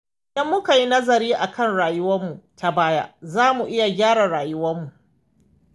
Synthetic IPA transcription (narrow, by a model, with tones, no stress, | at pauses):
ʔɪɪ˨dɐ˦mːʊ˦ka˨ji˦nɐ˦zɐ˨ɾiː˦ʔa˨kʰɐ˦˨nɽaː˨jʊ˦wɐ˦mːu˨ta˨baː˦ja̰˦zaː˦mu˨ʔɪ˦ja˨ɡʲaː˦ɽa˨ɽaː˨jʊ˦wɐ˦mːu˨ʔ